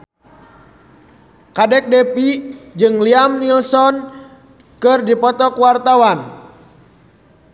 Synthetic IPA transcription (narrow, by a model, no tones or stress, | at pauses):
kadɛk̚dɛpid͡ʒɨŋliamnilsɔn | kɨrdipɔt̪ɔkuwart̪awan